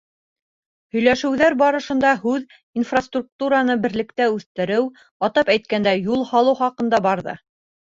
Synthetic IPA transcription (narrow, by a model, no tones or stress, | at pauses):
hɵ̆jlæʃɘ̆wðæɾbɑɾɤ̆ʃɤ̆nd̪ɑhʉð | infrast̪ruk̚t̪uɾanɤbɘ̆ɾlɘ̆kt̪æʉθt̪ɘ̆ɾɘw | ɑt̪ɑpæjt̪̚kænd̪æjulˠhɑlˠɤwχɑqɤ̆nd̪ɑbɑɾðɤ̰